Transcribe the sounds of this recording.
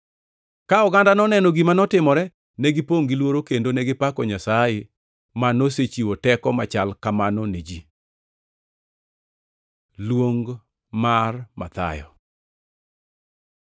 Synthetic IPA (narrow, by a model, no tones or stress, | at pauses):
kaɔɡandanɔnɛnɔɡimanɔtɪmɔɾɛ | nɛɡipoŋɡilwoɾokendonɛɡɪpakɔɲasajɪ | manoset͡ʃiwotɛkɔmat͡ʃalkamanɔned͡ʒi | lwoŋɡ | marma̰t̪a̰jɔ̰